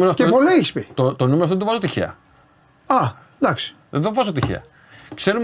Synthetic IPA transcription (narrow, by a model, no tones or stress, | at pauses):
meɾoɐfteɣonɐiçispit̪ot̪onumeɾoft̪oðvɐzot̪içḛɐ̰ | ɐ | d̪ɐksi̥ | ðeðovɐzot̪içḛɐ̰ | kse̞ɾu